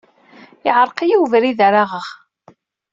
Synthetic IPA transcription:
ɪʕəɾˤqijuwvɾiðɾaʁəʁ

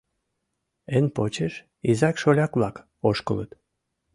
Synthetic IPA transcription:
enpot͡ɕeʃ | izɑkʃolʲɑkβlɑk | oʃkolə̰t̪

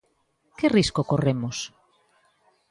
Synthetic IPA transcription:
kɪriskokoremos

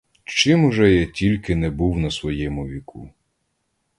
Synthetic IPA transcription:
t͡ʃɪmʊʒɛjatʲilʲkɪnɛbuwnɐsʋɔjɛmʊʋʲikʰu

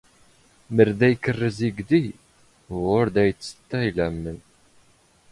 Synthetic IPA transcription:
məɾðæjkːərːəziɡd̪i | ʁʊɾd̪æjt͡sːə̥t̪ːæjlæmːən

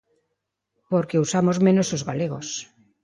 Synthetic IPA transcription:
poɾkeusamozmẽnosozɣaleɣos

